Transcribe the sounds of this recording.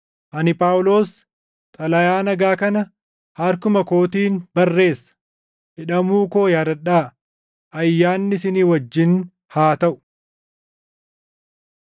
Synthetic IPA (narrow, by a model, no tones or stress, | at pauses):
ʔɐnɪpʼaːwlo̞ːs | t̪ʼɐlɐjaːnɐɡaːkɐnɐ | hɐɾkʊmɐko̞ːt̪iːnbɐrːe̞ːsːɐ̥ | hɪᶑɐmuːko̞ːjaːd̪ɐᶑaː | ʔɐjːaːnːɪsɪniːwɐd͡ʒːɪn | haːt̪ɐʔʊ̥